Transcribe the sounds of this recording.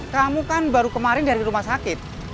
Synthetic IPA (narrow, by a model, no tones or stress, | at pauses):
kamukanbaɾukəmaɾɪndaɾiɾumahsakɪt̪̚